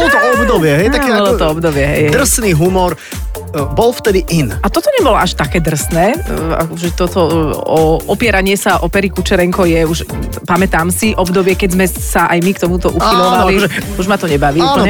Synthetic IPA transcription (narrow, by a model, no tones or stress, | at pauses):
ɔlɔt̪ɔɔbd̪ɔbɪɛɦɛjt̪akɛɔlɔt̪ɔɔbd̪ɔbɪɛɦɛ̰jd̪r̩sniːɦumɔɾ | bɔlft̪ɛd̪iʔinat̪ɔt̪ɔɲɛbɔlɔaʃt̪akɛːd̪r̩snɛːa̰kɔʒɛt̪ɔt̪ɔɔʔɔpɪɛɾaɲɪɛsaʔɔpɛɾikut͡ʃɛɾɛŋkɔjɛuʃ | pamɛt̪aːmsiʔɔbd̪ɔbɪɛkɛzmɛ | saʔajmikt̪ɔmut̪ɔʔuxilɔʋalliʒɛuʒmat̪ɔɲɛbaʋiːuapːlɲɛ